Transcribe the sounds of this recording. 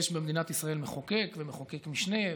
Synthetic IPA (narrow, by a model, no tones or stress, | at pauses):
eʃbemed̪inat̪isʁae̞lmeχoke̞kvemeχokekmiʃne̞